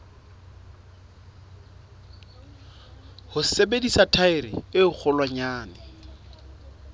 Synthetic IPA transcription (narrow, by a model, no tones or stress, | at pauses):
hʊsebedisatʰaɪɾɪ̰ɪʊk͡xʰɔlwaɲaːnɪ